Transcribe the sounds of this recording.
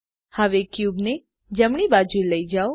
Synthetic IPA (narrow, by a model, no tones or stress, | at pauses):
həʋekjubne | d͡ʒəmɳ̃ibad͡ʒueləid͡ʒao